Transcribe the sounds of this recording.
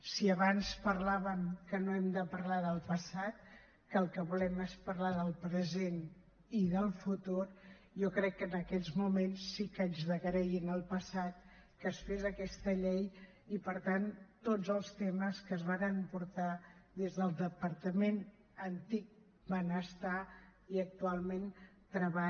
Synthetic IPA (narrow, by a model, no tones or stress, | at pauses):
siəβanspəɾlaβəmkənoɛmd̪əpəɾlaðəlˠpəsat̪̚ | kəlˠkəβulɛmespəɾlaðəlˠpɾəzen | iðəlˠfut̪uɾ | jɔkɾɛkːənəkɛʎzmumensːikənzðəɣəɾɛjinəlˠpəsat̪̚ | kəsfezəkɛst̪əʎej | ipəɾt̪ant̪od͡zzəlˠst̪eməskəzβanəmpuɾt̪aðezðəlˠd̪əpəɾt̪əmen | ənt̪ik̚ | bənəst̪aiək̚t̪ualˠment̪ɾəβa